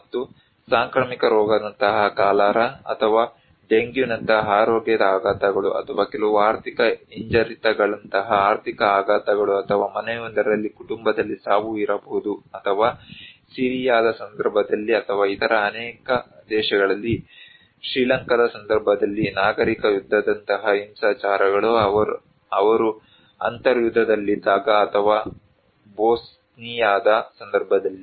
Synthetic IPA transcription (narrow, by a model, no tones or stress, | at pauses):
mɐt̪ːu | saːŋkɾɐːmikɐɾɔːɡɐd̪ɐnt̪ɐɦɐkaːlaːɾɐɐ̰t̪ʰɐʋaː | ɖeŋɡjunɐnt̪ɐɦɐɦaːɾoːɡjɐd̪ɐaːɡaːt̪ɐɡɐɭuʔɐ̰t̪ʰɐʋaːkɛlɐʋuaːɾt̪ʰikɐiɲd͡ʒɐɾit̪ɐɡɐɭɐnt̪ɐɦɐaːɾt̪ikɐaːɡaːt̪ɐɡɐɭuɐt̪ʰɐʋaːmɐnɛjond̪ɐɾɾɐlːikuʈumbɐd̪ɐlːisaːʋuiɾɐboɦud̪uɐt̪ʰɐʋaːsiːɾijaːd̪ɐsɐnd̪ɐɾbʱɐd̪ɐlːiɐt̪ʰɐʋaːit̪ɐɾɐːnɛːkɐd̪ɛːʃɐɡɐɭɐlːi | ʃɾiːlɐŋkɐd̪ɐsɐnd̪ɐɾbʱɐd̪ɐlːinaːɡɐɾikɐjud̪ʱːɐd̪ɐnt̪ɐɦɐimsaːt͡ʃaːɾɐɡɐɭuɐ | ɐʋɐɾu | ɐnt̪ɐɾjud̪ʱːɐd̪ɐlːid̪aːɡɐːt̪ʰɐʋaː | boːs | nijaːd̪ɐsɐnd̪ɐɾbʱɐd̪ɐlːi